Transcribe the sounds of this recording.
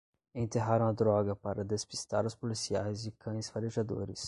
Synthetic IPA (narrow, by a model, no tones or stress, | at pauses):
ẽnt̪eɦaɾɐ̃w̃ɐd̪ɾɔɡɐpaɾɐd̪espist̪a̰ɾɐʊspolisiajzd͡ʒɪkʰɐ̃j̃sfaɾeʒad̪o̰ɾɪs